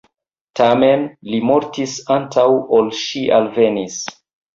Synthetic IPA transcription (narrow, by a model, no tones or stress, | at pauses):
tame̞nlimo̞ɾtisantʰawolʃiʔalvenis